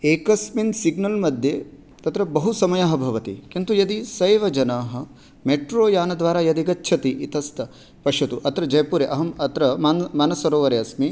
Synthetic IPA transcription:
eːkɐsminsiɡnɐlmɐd̪ʱjeː | t̪ɐt̪ɾɐbɐɦusɐmɐjaːɦɐ̆bʱɐʋɐt̪ḭkint̪ujɐd̪isɐjʋɐd͡ʒɐnaːɦɐ̆ | meʈɾoːjaːnɐd̪ʋaːɾaːjɐd̪iɡɐtːʃʰɐt̪iʔit̪ɐst̪ɐ | pɐʂɐt̪uʔɐt̪ɾɐd͡ʒɐjɐpuːɾeʔɐɦɐmɐt̪ɾɐmaːnmaːnɐsɐɾoːʋɐɾeɐsmi

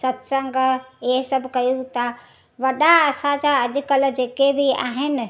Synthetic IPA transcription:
sət̪səŋɡeɦsəbʱkəjut̪ə | ʋɐɗaəsad͡ʒaəd͡ʒkəld͡ʒekebʱia̰ɦen̆

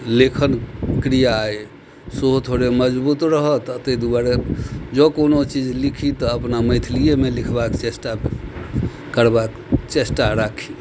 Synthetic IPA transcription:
lekʰənkɾijaːje | soɦot̪ʰoɾeməd͡ʒbut̪ɾəɦət̪ət̪ed̪ubaɾed͡ʒəkonot͡ʃid͡ʒlikʰit̪ɔəpnaməɪt̪ʰlijemelikʰbakt͡ʃesʈa | kəɾbak | t͡ʃesʈaɾakʰi̥

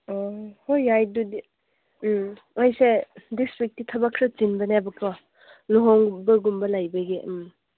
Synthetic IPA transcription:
ɔhojajdudi | ajsedistɾik̚titʰɐbakʰɾɔt͡ʃinbɐneabɐkɔ | nuɦɔŋbɐɡumbɐlajbeɡem

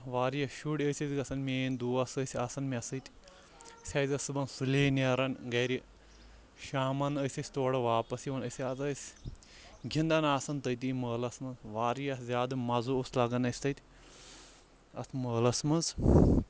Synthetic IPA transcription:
ʋaːɾjɐʃuɽʲəsʲɐzʲɡɐsɐnmʲeːnd̪uːɐsəsʲasɐnmʲɐsɐt̪ʲ | sʲaːzʲɐsɨbɐnsuleːnɐɾɐnʲɡɐɾi | ʃaːmɐnəsʲɐsʲt̪oːɽɐʋaːpɐsiʋɐnɐsʲiɐzɐsʲ | ɡʱʲind̪ɐnaːsɐnt̪ɐjt̪iməːlɐsmɐnzʋaːɾjɐzʲaːd̪ɨmɐzuoslɐɡɐnɐsʲt̪ɐt̪ʲ | ɐ̰st̪ʰməːlɐsmɐnz

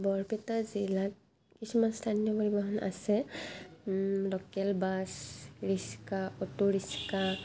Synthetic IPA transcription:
bɔɹpɛtazilat̚ | kisumanstʰanijɔkɔɹibaɦɔna̰sɛ | lɔkɛlbasɹiskaɔtuɹiska

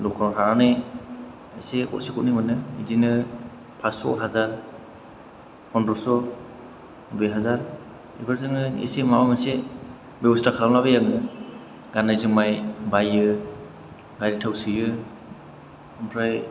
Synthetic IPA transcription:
lɔkʰɔɦaanɯj | esekɔ̰tsikɔt̚nimɯnɯḭdinɯ | pʰasɔ̰ɦazaɾ | hʰɔndɾɔsɔ | beɦazaɾ | ḭbaɾzɯŋɯḛsemaɔmase | bebɔstakʰalamnaβajaŋɯ | ɡanajzɯmajbajɯ | ɡajɾitʰawsijɯ | ampʰɾaj

